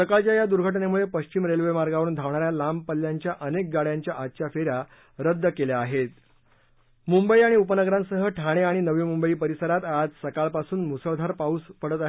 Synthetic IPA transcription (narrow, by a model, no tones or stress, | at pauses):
səkaɭt͡ɕjajad̪uɾɡʱəʈnemuɭepəɕt͡ɕiːmɾelʋemaɾɡaʋəɾuːnd̪ʱaʋɳaɾjalampəlːjaɲt͡ɕjaʔənek̚ɡaɽjaɲt͡ɕjaʔatːɕafeɾja | ɾəd̪ːəkeljaːɦet̪ | mumbəiaɽ̃iupənəɡɾãŋksəɦəʈʰaɽ̃eaɽ̃inəʋimumbəiːpəɾisəɾat̪ad͡zsəkaɭpasuːnmusəɭd̪ʱaɾpauːspəɽət̪aɦe